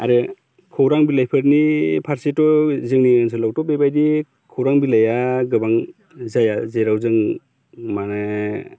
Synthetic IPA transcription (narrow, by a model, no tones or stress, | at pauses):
aɾɯ | kʰɔwɾaŋbilajpʰɯɾnipʰaɾsetɔzɯŋnians̬ʰɯlawtɔbebajdi | kʰɔwɾaŋbilajaɡɯbaŋ | zajazeɾawzɯŋ | manɯ